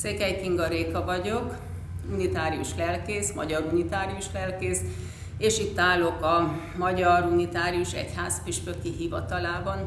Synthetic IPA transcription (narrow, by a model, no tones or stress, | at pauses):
seːkɛjkiŋɡɒɾeːkɒvɒɟok | unit̪aːɾiuʃlɛlkeːsmɒ̰ɟɒɾunit̪aːɾijuʃlɛlkeːs | eːʃit̪ːaːlokɒ | mɒɟɒɾunit̪aːɾiuʃɛ̰chaːspiʃpøkiɦivɒt̪ɒlaːbɒn